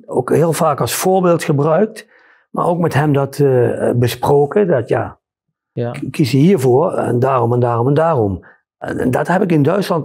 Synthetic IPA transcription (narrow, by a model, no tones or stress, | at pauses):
o̰khɪːəlˠvaːkɑlˠsfoːɹbeːlˠtxəbrœɥk̚t | ma̰ɹowkmɛtɦɛmdɑtbəsproːkədɑtja̰ː | kːisəhiːɹvoːɹɛ̰ndaːrɔmɛndaːrɔmɛndaːrɔm̰ | ndɑ̰tɦɛpɪkɪndœɥtslɑnt